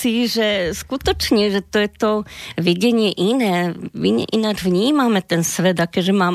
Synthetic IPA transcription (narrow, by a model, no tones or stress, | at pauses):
iʒɛskut̪ɛt͡ʃɲɛʒɛt̪ojɛt̪oviɟɛɲɪɛʔinɛːiɲɛ̰ʔinad͡ʒvɲiːmaːmɛt̪ɛnsʋɛd̪akɛʒɛmaːm